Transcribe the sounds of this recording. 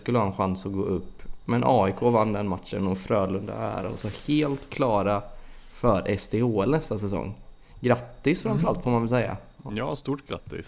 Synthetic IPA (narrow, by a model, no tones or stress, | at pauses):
skɵlːəhɑːɛnɧansɔɡoːʔɵpːmɛnʔɑːɪkʰoːvanːd̪ɛnmat̪ʂə̰nɔmfɾøœːlɵnd̪a̰æ̰ɾa̰lsɔheːlt̪kʰlɑːɾa | fœɾʔɛst̪eːoːɛlnɛst̪asɛsɔ̰ŋː | ɡɾat̪ːɪsfɾamfœɾalt̪fɔmanvɪlsɛjːa̰ | jɑːst̪uːʈɡɾa̰t̪ːɪ̰s